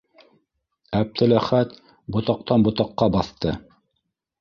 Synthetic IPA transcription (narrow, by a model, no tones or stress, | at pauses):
æp̚t̪ʰɘ̆læχæt̪ | bŏt̪ɑq̚t̪ɑnbŏt̪ɑqːɑbɑθt̪ɤ